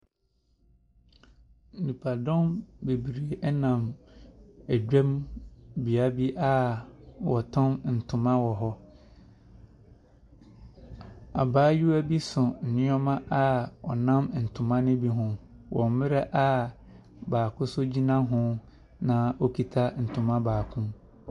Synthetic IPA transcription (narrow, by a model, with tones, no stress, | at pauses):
n̩˨nũ˨pʰa˨dɔ̃˦mbe˨bi˨ɾe˨ʔɛ˦nã˨m | æ˨d͡ʑᶣɛ̃˦mbi˨a˦bi˦ʔa˦wɔ˨tʰʊ̃˦mn̩˨tʰʊ̃˨mã˦wɔ˨ɦɔ˦ | a̰˨baː˦ju˦æ˦bi˦sʊ˨n̩˨nɪ̃˦ɔ˦mã˦ʔa˦ɔ̰˨nã˦mn̩˨tʰʊ̃˨mã˦nɪ̃˦bi˦ɦʊ̃˦ | wʔɔ̰̃˨m˦mɪ˦ɾa˦ʔa˦ | baː˨kʰʊ̃˦sʊ˦d͡ʑi˦nã˦ɦʊ̃˦ | nã˨o˦kʰi˨tʰa˦n̩˨tʰʊ̃˨mã˦baː˨kʰʊ̃˦m